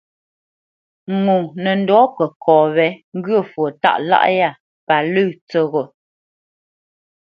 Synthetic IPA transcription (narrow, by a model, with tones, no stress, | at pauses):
ŋu˨nə˨n̩˨dɔ˨˦kə˨kʰɔː˨βɛ˨˦ŋ˦ɡɰə˦˨fwo˨ta̰˦˨ʔla̰˦˨ʔja˦˨ | pa˨lə˦˨t͡sə˦˨ɣo˨